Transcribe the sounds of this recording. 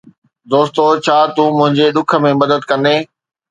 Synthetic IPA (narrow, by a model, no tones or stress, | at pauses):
d̪oːst̪ot͡ɕʰaːt̪ũːmʊ̃ɦɪ̃ɲd͡ʑeɗʊkʰə̆mẽmɐd̪əd̪kɐ̃nd̪eː